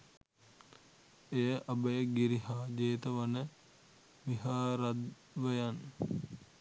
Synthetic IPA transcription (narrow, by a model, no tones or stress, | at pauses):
ejəʔɐbəjəɡiɾiɦaːd͡ʒeːt̪əʋɐnə | ʋiɦaːɾad̪ | ʋəjan